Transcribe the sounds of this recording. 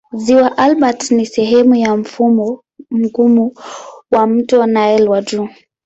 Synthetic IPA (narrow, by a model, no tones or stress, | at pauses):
ziwaʔalɓatnisɛɦɛmujam̩fumɔ | m̩ɡumuwam̩tɔnaɛlwad͡ʒu